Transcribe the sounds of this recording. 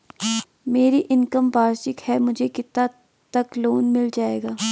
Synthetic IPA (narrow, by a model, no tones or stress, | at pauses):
meːɾiʔɪnkəmbaːɾʃɪkhɛmʊd͡ʒʱekɪt̪ːa | t̪ɐkloːnmɪld͡ʒaːeːɡaː